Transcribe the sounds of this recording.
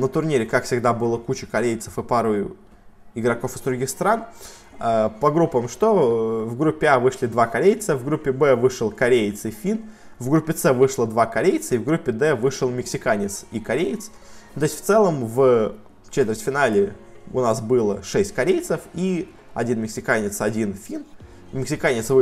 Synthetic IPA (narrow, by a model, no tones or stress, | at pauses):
nət̪ʊrnʲiɾʲɪkakfsʲɪɡd̪abɨlˠəkut͡ɕɪkɐɾʲejt̪sə̥fɨpaɾʊ | ɪɡɾɐkofɨzd̪ɾʊɡʲixst̪ɾan | apɐɡɾupːəmʂt̪o̞vɡɾupʲːɪavɨʂlʲɪd̪vakɐɾʲejt̪səvɡɾupʲːɪbɛvɨʂɨlˠkɐɾʲejt̪sɪfʲin | vɡɾupʲːɪt̪sɛvɨʂlˠəd̪vakɐɾʲejt̪səivɡɾupʲːɪd̪ɛvɨʂɨlˠmʲɪksʲɪkanʲɪt̪sikɐɾʲejt̪s | nt̪osʲtʲft̪sɛlˠəmv | t͡ɕet̪vʲɪrsʲtʲfʲɪnalʲɪʊnasbɨlˠəʂɛsʲtʲkɐɾʲejt̪səfi | ɐ̰dʲinmʲɪksʲɪkanʲɪt̪sɐdʲinfʲin | mʲɪksʲɪkanʲɪt̪sv